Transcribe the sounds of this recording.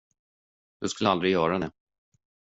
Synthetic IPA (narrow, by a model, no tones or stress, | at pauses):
d̪ɵskɵləald̪ɾɪɡjœːɾad̪ɛ